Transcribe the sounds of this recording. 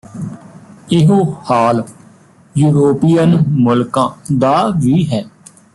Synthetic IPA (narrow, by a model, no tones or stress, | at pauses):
ɪɦoːhaːl | juːɾoːpiːənmʊlkãːd̪aːʋiːɦɛː